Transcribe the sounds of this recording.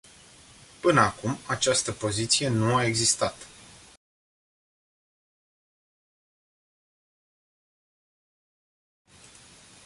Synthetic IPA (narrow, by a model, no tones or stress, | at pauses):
pɨnəakumat͡ʃast̪əpo̞zit̪sijenuae̞ɡzist̪at̪